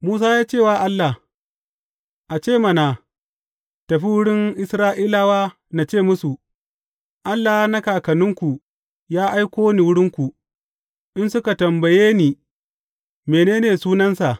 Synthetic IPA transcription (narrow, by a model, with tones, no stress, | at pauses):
muː˦s̬aː˦jaː˦t͡ʃeː˦˨waː˦ʔa˦lːa˨h | ʔa˨t͡ʃeː˦˨mɐ˨naː˨ | tɐ˨ɸi˦wʊ˦ɽɪ˦ŋʔɪ˦sɾaː˦ʔiː˦la˦waː˦ | na˨t͡ʃeː˦˨mʊ˦su˨ | ʔa˦lːaː˨˦na˦kaː˨kɐ˨nʊ˦ŋkʷu˨ | jaː˦ʔa˦jkʷoː˦niː˨wʊ˦ɽɪ˦ŋkʷu˨ | ʔɪ˦nsʊ˦ka˨tɐ˨mbɐ˨jeː˦niː˨ | meː˨neː˦neː˨suː˦nɐ˦nsa˨ʔ